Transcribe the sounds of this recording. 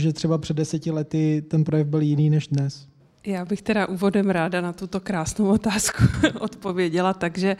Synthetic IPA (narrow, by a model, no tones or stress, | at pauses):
ʒɛt̪r̥ɛbapr̥ɛdːɛsɛcɪlɛt̪ɪt̪ɛnpɾojɛvbɪljɪniːnɛʒdnɛs | jaːbɪxt̪ɛɾaʔuːvo̞dɛmɾaːdanat̪ut̪o̞kɾaːsnowʔot̪aːskuʔot̪po̞vjɛɟɛlat̪aɡʒɛ